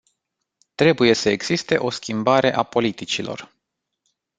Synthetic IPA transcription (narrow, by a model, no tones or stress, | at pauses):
t̪ɾe̞buje̞səe̞ɡz̥ist̪e̞ʔo̞skʲimbaɾe̞ʔapo̞lit̪it͡ʃilo̞̰r